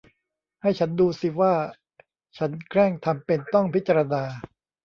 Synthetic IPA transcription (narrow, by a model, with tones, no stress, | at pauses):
ha˥˩jt͡ɕʰa˦˥nduː˧si˨˩waː˥˩ | t͡ɕʰa˦˥nkʰɾɛ˥˩ŋt̪ʰa˧mpe˧nt̪ɔ˥˩ŋpʰi˦t̪̚t͡ɕa˧ɾa˧naː˧